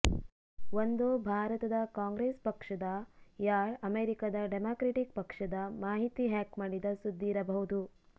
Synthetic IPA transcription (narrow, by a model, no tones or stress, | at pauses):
ʋond̪obʱaːɾɐt̪ɐd̪ɐkaːŋɡɾeːspɐkʂɐd̪ɐjaːɾɐmeːɾikɐd̪ɐɖemaːkɾeʈik̚pɐkʂɐd̪ɐmaːɦit̪iɦaːkmaːɽid̪ɐsud̪ːiːɾɐbɐɦud̪u